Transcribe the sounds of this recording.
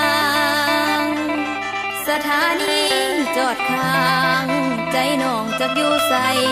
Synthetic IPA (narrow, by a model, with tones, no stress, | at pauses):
ŋ | sa˧t̪ʰaː˨˦niː˧˥t͡ɕɔː˨˩t̪̚kʰaː˧˦˧ŋt͡ɕa˧˦jnɔː˨˩ŋt͡ɕa˨˧˩k̚juː˧sa˧˦j